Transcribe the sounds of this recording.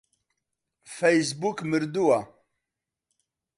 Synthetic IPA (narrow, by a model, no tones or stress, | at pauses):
fejs̬bukmɨɾd̪uwa